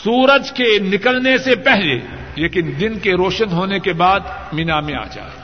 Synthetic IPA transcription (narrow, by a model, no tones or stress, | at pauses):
suːɾəd͡ʒkenɪkəlnesepɛɦlḛ | leːkɪnd̪ɪnkeɾoːʃənɦoːnekebaːd̪mɪnamẽa̰ːd͡ʒa̰ː